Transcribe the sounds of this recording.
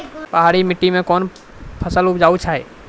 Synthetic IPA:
pəɦaːɾimɪʈːimẽkɔːn | pʰəsəlʊpd͡ʒaːut͡ʃʰaɦɛ

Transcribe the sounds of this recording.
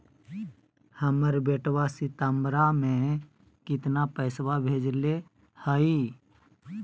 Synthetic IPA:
həməɾbeːʈwasit̪əmɾamẽ | kɪt̪napəɪswabʱeːd͡ʒle | həi

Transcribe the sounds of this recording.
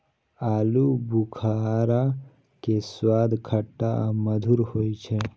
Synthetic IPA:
aːlubukʰaɾa | keswaːd̪ʱkʰəʈːaməd̪ʱuɾhoːjt͡ʃʰe

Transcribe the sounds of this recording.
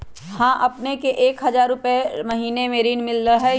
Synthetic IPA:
hãːʔɐpnekeʔeːkɦɐzaːɾːʊpemɐɦiːnemeːɾiːnmɪlːaɦɛ

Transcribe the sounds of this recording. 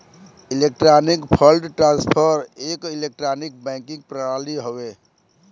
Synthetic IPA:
ilek̚ʈɾanikpʰəlɖʈɾãnspʰəɾekilek̚ʈɾanik̚bɛ̃ŋkĩŋɡ̚pɾəaliɦowe

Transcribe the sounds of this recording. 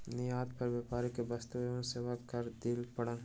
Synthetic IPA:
nɪjaːd̪̚pɐɾʋaːpaːɾikebɐst̪uenseːʋakəɾd̪ilpɐɽən

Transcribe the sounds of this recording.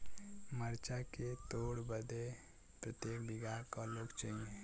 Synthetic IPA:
məɾt͡ʃaket̪oːɽbəd̪e | pɾət̪jeːkbɪɡaːɾkaloːɡt͡ʃaiẽ

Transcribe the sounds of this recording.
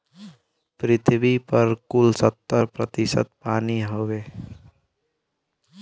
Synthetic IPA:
pɾɪt̪ʰbipəɾkulsət̪ːəɾpɾət̪isə̰t̪̚paːniɦobe

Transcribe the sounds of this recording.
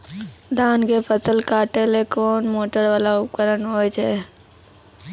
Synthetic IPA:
d̪ʱaːnkepʰəsəlkaːʈelekoːnmoːʈəɾʋaːlaʊkəɾənɦoːjt͡ʃʰe

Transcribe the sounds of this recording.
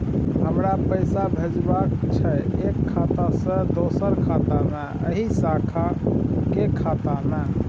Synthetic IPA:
ɦəmɾapəjsabʱed͡ʒbakt͡ʃʰɛekʰːat̪asə̃d̪osəɾkʰat̪ame | ə̰ɦisakʰakekʰːat̪ame

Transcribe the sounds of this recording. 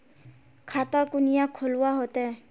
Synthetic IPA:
kʰat̪akunijakʰolwaɦot̪ɛ

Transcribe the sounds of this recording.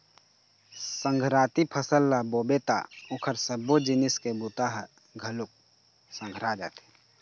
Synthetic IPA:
sə̃ŋɡʱɾaːt̪ipʰəsəlːaboːbet̪a̰ʊkʰəɾsəbod͡ʒɪnɪskebut̪aɦə | ɡʱəlʊk̚ | sə̃ŋɡʱɾad͡ʒa̰ːt̪e̥

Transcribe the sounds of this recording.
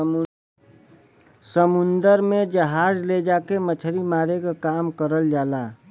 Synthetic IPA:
səmʊnd̪əɾmẽd͡ʒəɦaːd͡ʒled͡ʒaːkemət͡ʃʰəɾimaːɾekakaːmkəɾəld͡ʒaːlaː

